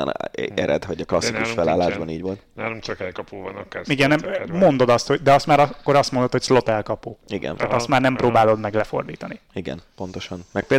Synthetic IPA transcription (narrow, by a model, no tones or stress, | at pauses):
nɛ̰ɾɛ̰d̪hɒɟɒklɒsːikuʃfɛla̰ːlːaːʒbɒniːɟʋo̞lt̪almt͡ʃɛkɒpuvnkiɡɛnːɛmmo̞nd̪o̞d̪ɒst̪hoɟd̪ɛɒst̪maːɾɒkːoɾɒst̪mo̞nd̪ot̪hocslo̞t̪ɛlkɒpoːtiɡɛ̰naːt̪ɒst̪maːrnɛmproːbaːlo̞d̪mɛɡlɛfo̞̰rd̪iːt̪ɒni | iɡɛ̰npo̞nt̪o̞ʃɒnmɛk̚pel